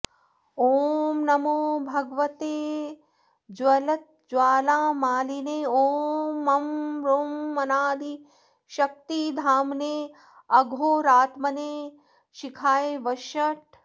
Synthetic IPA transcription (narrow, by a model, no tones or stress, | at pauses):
oːmnɐmoːbʱɐɡʋɐt̪eː | d͡ʒwɐlɐt̪̚d͡ʒwaːlaːmaːlineːoːmːɐmɾoːmːɐnaːd̪ʱi | ʃɐk̚t̪id̪ʱaːmneː | ɐɡʱoːɾaːt̪mɐneː | ʃikʰaːjʋɐʃɐʈ̚